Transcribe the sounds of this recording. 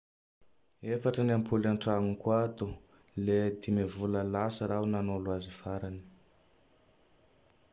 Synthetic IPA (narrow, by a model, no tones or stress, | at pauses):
efaʈ͡ʂənampʰulaɳʈ͡ʂaŋukwat̪u | led̪imevuləlasəɾawnanolwazifaɾani̥